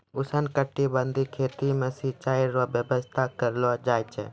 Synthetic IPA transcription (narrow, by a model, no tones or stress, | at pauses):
ʊsənkəʈːibənd̪ʱikʰeːt̪imẽsit͡ʃaːiɾobjəbəst̪ʰakəɾlod͡ʒaːjt͡ʃɛ̰